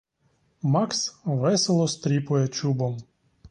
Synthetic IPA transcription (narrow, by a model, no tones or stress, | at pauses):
mɑksʋɛselˠɔst̪ɾʲipʊjɛt͡ʃubɔm